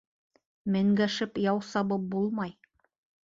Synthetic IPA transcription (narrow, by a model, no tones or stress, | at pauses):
mɘ̆ŋɡæʃɘpjɑwsɑbɤp̚bulˠmɑj